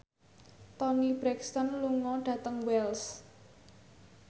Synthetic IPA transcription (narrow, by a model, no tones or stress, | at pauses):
t̪ɔnib̥ɾɛkst̪ɔnluŋɔɖ̥ä̤t̪əŋwɛls